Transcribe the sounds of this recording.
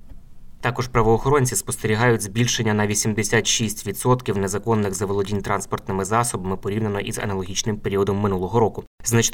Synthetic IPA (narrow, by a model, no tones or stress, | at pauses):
t̪ɑkɔʒpɾɐʋɔːxɔɾɔnʲt͡sʲispɔst̪eɾʲiɦɑjʊtʲzbʲilʲʃenʲːɐnɐʋʲisʲimd̪esʲat̪ʃisʲtʲʋʲid̪sɔt̪kʲiwne̞zɐkɔnːɪɣzɐʋɔlˠɔdʲinʲt̪ɾɑnspɔrt̪nɪmɪzɑsɔbɐmɪpɔɾʲiwnɪnɔʔizɐ̰nɐlˠɔɦʲit͡ʃnɪmpeɾʲiɔd̪ɔmːɪnulˠɔɦɔɾɔkʊ | znɐt͡ʃ̪